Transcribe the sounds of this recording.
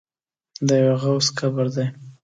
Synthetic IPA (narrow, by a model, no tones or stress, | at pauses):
d̪əjaweɣawskabaɾd̪aj